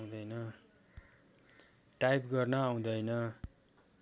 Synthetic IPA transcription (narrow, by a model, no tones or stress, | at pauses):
d̪ʌjnʌ | ʈajpɡʌrnʌaw̃d̪ʌjnʌ